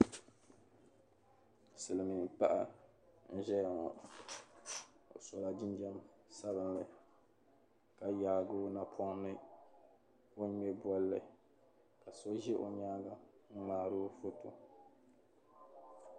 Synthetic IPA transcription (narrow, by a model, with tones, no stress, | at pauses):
sɨ˨lɨ˨mi˨pa˦ʔa˦ | n̩˦ʒɛ˦ja˨ŋɔ˨ | o̰˨so˨la˨d͡ʒi˦nd͡ʒɛ˦m | sa˦βɨ˦n˦lɨ˨ | ka˦jaː˨ɡʊ˦na˨pʰɔ˦ŋ˦nɨ˦ | o˦ɲɛ˦bɔ˦lːɨ˨ | ka˨so˦ʒɛ˦ʔo̰˨ɲaː˦ɡa˨ŋ̩˦maː˨˦ɾo˦fo˦to˨